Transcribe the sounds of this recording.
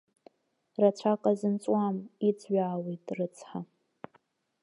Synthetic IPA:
rat͡ɕʷʰakʼazɨnt͡sʷʼwamit͡sʰʼɥʷaːwijtʼrɨt͡sʰʼħa

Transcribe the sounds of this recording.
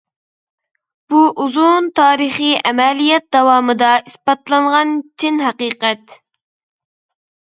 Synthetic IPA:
b̥uʔuzunt̪ʰɑːɾəχiʔɛmɛlijɛt̪̚d̪ɑwɑːmɨd̪ɑispɑt̪lˠɑɴʁɑnt͡ʃʰinɦæqiːqɛt̪

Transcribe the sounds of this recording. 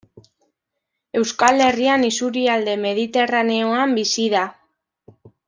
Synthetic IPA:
e̞wskale̞rianisuɾiald̪e̞me̞ð̞it̪e̞rane̞o̞ambisiða

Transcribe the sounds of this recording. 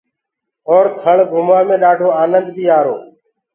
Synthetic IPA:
ɔːɾt̪ʰəɳɡʱʊmaːmẽːɗaːɖʱoːaːnənd̪biːaːɾoː

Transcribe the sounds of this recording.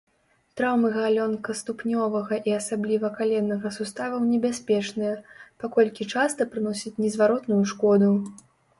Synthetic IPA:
t̪ɾawmɨɣalʲɔnkɐst̪upnʲɔvɐɣɐʔiasablʲivɐkalʲɛnːɐɣɐsust̪avɐwnʲɛbʲasʲpʲɛt͡ʂnɨjɐpakɔlʲkʲit͡ʂast̪ɐpɾɨnɔsʲit͡sʲnʲɛzvaɾɔt̪nujuʂkɔd̪u

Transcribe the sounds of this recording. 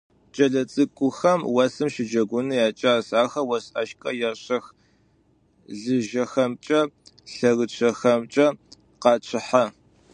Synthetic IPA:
t͡ʃʼɐɮɐt͡sʼɨkʷʼʊxɐmwɐsɨmʃɪd͡ʒɐɡʷʊnɨjaːt͡ʃʼaːsaːxɐwɐsʼɐ̰ʃkʼɐjɛɕɐx | ɮɨʒɐxɐmt͡ʃʼɐɬɐɣɨt͡ʃʷʰɐxɐmt͡ʃʼɐ | qɑːt͡ʃʰɪħa

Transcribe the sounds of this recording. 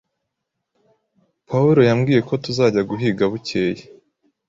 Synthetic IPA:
pauɾo̞jamɡiːje̞ko̞tuzaːɟaɡuɦiːɡaβuce̞ːje

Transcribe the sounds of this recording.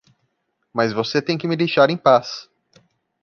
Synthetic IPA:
mɐzvoset̪ẽj̃kɪmɪd̪ejʃaɾẽj̃pas

